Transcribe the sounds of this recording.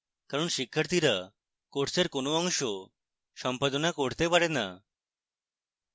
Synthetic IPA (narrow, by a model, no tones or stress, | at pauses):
kaɾɔnʃikʰːəɾt̪iɾa | koʈseɾkonoɔŋʃɔ | sɔmpad̪ɔnakɔɽ̤t̪epaɽena̰